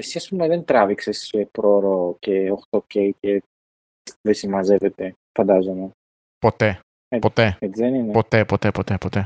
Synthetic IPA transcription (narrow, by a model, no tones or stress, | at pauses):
esiɐspumeðent̪ɾɐviksesepɾoɾoceoxt̪ocejce | vesimɐzevet̪e | fɐnd̪ɐzone | po̞t̪e | epot̪eet͡siðeninepo̞t̪epo̞t̪epot̪epot̪e